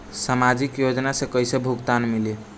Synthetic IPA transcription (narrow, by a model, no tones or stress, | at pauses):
samad͡ʒikjod͡ʒnasẽkəjsebʱukt̪anmili